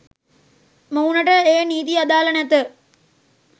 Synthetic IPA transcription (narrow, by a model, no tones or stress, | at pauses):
mɐwnɐʈɐeːniːd̪iɐd̪aːlɐnɐt̪ɨ